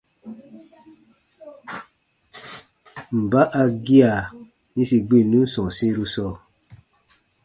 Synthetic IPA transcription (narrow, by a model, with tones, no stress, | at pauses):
m̩˨ba˦ʔa˧ɡi˦a˨ | ɲĩ˧si˧ɡ͡bĩ˦˨nũ˦sɔ̃˨sĩ˦˧ɾu˧sɔ˧